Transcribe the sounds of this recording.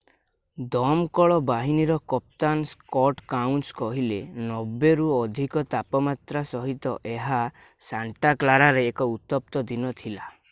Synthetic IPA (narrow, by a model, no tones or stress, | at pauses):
d̪ɔmkɔɭɔbaɦiniɾɔkɔp̚t̪anskɔʈkawnʈskɔɦilenɔbeɾuɔd̪ʱikɔt̪apɔmat̪ɾasɔɦit̪ɔ̰ʔeɦa | saɳʈaklaɾaɾeːkɔut̪ɔp̚t̪ɔd̪inɔt̪ʰila